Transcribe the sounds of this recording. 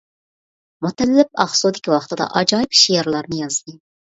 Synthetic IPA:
mut̪ʰɛlːɪp̚ɑ̰χsud̪ɪkʲiwɑχt̪ɨd̪ɑ̰ʔɑd͡ʒɑːjipʃijɛɾlˠɑɾnɨjɑzd̪ɨ

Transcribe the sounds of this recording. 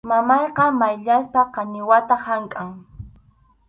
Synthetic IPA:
mamɑjqɑmajʎaspaqɑɲɪwat̪ahaŋkʼaŋ

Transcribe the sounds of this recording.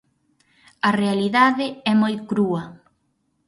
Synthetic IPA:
ɐrealiðaðɪɛmojkɾuɐ

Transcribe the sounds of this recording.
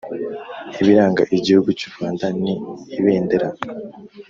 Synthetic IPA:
iβiɾaːŋɡa̰ʔiɟihuɡuci̥vaːndaniːβeːndeɾa

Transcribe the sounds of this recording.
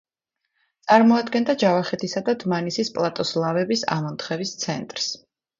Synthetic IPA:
t̪sʼaɾmɔad̪ɡɛnd̪ad͡ʒavaχɛt̪ʰisad̪ad̪manisispʼlˠat̪ʼɔslˠavɛbisa̰mɔnt̪χɛvist̪sʰɛnt̪ʼɾs

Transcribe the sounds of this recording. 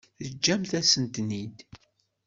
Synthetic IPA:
θəd͡ʒːæmθæsənt̪nid̪

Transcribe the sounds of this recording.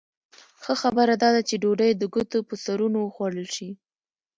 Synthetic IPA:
xəxabəɾad̪ɑd̪at͡ʃeɖoɖəjd̪əɡut̪opəsaɾunowəxwaɽəlʃi

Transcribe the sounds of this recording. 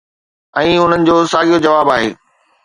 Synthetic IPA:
ɛ̃ːʊn̤ənɪ̆d͡ʑoːsaːɡijod͡ʑɐʋaːbaːɦeː

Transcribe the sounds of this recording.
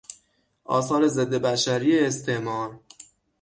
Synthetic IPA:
ʔɒ̰ːsɒːɾe̞ze̞d̪ːebæʃæɾiːeːst̪ʰeʔmɒːɾ

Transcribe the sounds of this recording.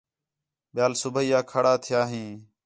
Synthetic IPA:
ɓɪjaːlsʊbəiːaːkʰaɽaːt̪ʰɪjaːɦĩː

